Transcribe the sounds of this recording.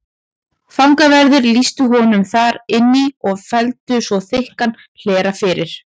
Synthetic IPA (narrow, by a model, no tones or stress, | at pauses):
fawŋkavɛɾðɪɾlist̪ʏɦɔnʏmθaɾɪnːɪɔɣfɛlt̪ʏsvɔθɪɪhkan | l̥ɛːɾafɪɾɪɾ̥